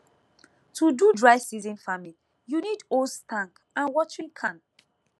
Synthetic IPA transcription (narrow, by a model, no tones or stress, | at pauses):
tʰududɹaɪ̥sizĩnfami | junidostʰãŋk | ãnwɔt͡ʃĩŋkʰãn